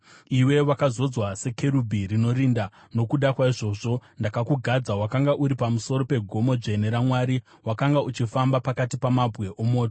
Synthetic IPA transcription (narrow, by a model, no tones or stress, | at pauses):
iwe̞ʋakazo̞d͡zwase̞ke̞ɾubʱirino̞ɾinda | no̞kuɗakwaiʐo̞ʐo̞ndakakuɡʱad͡zawakaŋɡaʔuɾipamuso̞ɾope̞ɡʱo̞mo̞d͡ʒe̞neɾamwaɾi | wakaŋɡaut͡ʃifambapakatipamabʱɣe̞ʔomo̞ːto